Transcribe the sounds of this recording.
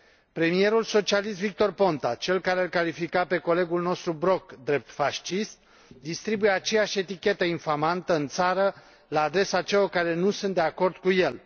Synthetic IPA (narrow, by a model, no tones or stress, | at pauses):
pɾe̞mije̞ɾulso̞t͡ʃialist̪vik̚t̪o̞rpo̞nt̪at͡ʃe̞lkaɾealkalifikape̞ko̞le̞ɡulno̞st̪ɾubɾo̞kd̪ɾe̞p̚t̪faʃt͡ʃist̪̚ | d̪ist̪ɾibujeat͡ʃe̞jaʃʲe̞t̪ikʲe̞t̪əinfamant̪əɨnt̪saɾə | laːd̪ɾe̞sat͡ʃelorkaɾe̞nusunt̪d̪e̞ako̞rd̪kuje̞l